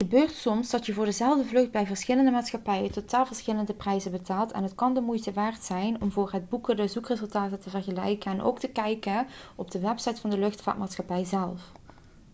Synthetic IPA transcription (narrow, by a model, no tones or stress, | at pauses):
χəbøːrtsɔmzdɑtjəvʊːɹdəzɛlˠvdəvlɵxd̚bɛjvəɹsxɪləndəmaːtsxɑpɛjətotaːlˠvəɹsxɪləndəprɛjzəbətaːlˠtɛ̰nɦətkɑndəmujtəʋaːrtsɛjnɔmvʊːrɦəd̚bukədəzukrezɵlˠtaːtətəvərɣəlɛ̰jkənɛnʔo̰wktəkɛjkənɔb̚dəʋɛpsɑjtfɑndəlɵxtfa̰ːt̚maːtsxɑpɛjzɛlˠf